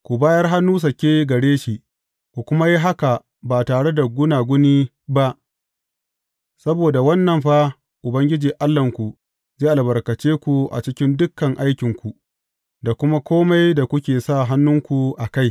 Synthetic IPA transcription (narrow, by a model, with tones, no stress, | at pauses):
kʷu˨baː˦jɐ˦rɦa˦nːuː˦s̬ɐ˨kʲeː˦ɡɐ˨ɽeː˦ʃi˨ | kʷu˨kʷʊ˦ma˦ji˦ɦa˦ka˨ | ba˨taː˨ɽe˦da˨ɡʷʊ˦naː˨ɡʷʊ˦niː˦ | ba˦ʔ | sɐ˦boː˨da˨wɐ˦nːɐ˨mɸa˦ | ʔʊ˨bɐ˦ŋɡʲɪ˦d͡ʒiː˨ʔa˦lːɐ˨ŋkʷu˨ | zeː˦ʔa˨bɐ˨rkɐ˨t͡ʃeː˦kʷu˨ʔa̰˨t͡ʃɪ˦kʲɪ˦ndʊ˦kːɐ˨ŋʔa˦jkʲɪ˨ŋkʷu˨ | da˨kʷʊ˦ma˦kʷoː˦ma˦jda˨kʷʊ˦kʲeː˨sa˦˨ɦa˦nːʊ˦ŋkʷu˨ʔa˨ka˦˨j